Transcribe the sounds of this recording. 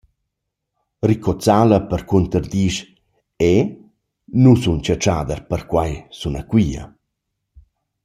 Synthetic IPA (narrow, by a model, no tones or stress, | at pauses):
rikɔt͡salɐpəɾkunt̪ərd̪iʃ | ɛ | nusunt͡ɕat͡ʃaːd̪ərpəɾkwajsunakwiːɐ̰